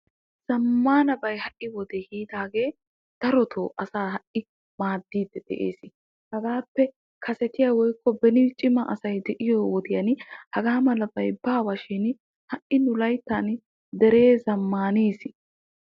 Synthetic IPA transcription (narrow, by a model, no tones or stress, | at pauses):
z̥ɐmːaːnɐbɐjhɐʔɪwɔd̪ɛhiːd̪aːɡe̞ː | d̪̥ɐɾɔt̪ʰoːʔɐsaːhɐʔɪ | maːd̪ːiːd̪ːɛd̪̥ɛ̰ʔḛːsɪ | hɐɡaːpːɛ | kʰɐsɛt̪ɪjawɔjkːɔbɛnɪt͡ʃʼɪmɐʔɐsɐjd̪ɛʔɪjɔwɔd̪ɪjɐnhɐɡaːmɐlɐbɐjbaːwɐʃɪn | hɐʔɪnʊlɐjt̪ːaːn | d̪ɛɾe̞ːzɐmːaːneːsɪ